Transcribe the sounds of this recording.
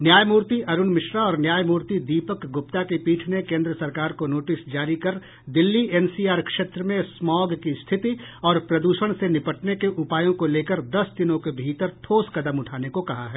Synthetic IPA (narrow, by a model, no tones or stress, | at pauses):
njaːjmuːɾt̪iʔɐɾʊnmɪʃɾaɔːɾnjaːjmuːɾt̪id̪iːpəkɡʊp̚t̪akepiːʈʰnekẽːnd̪ɾəsɐɾkaːɾkonoːʈɪsd͡ʒaːɾikɐɾ | d̪ɪlːiɛːnsiːaːɾkʃeːt̪ɾəmẽsmɔːɡkist̪ʰɪt̪iɔːɾpɾɐd̪uːʃəɽ̃senɪpəʈnekeʔʊpaːjõkoleːkəɾd̪ɐsd̪ɪnõkebʱiːt̪əɾt̪ʰoːskɐd̪əmʊʈʰaːnekokɐɦa̰ɦɛː